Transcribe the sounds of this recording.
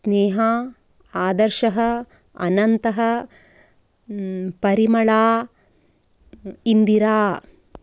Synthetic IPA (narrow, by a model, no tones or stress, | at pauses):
sneːɦɐ | aːd̪ɐɾʃɐɦɐ̆ | ɐ̰nɐnt̪ɐɦɐ̆ | pɐɾimɐɭaː | ind̪iɾaː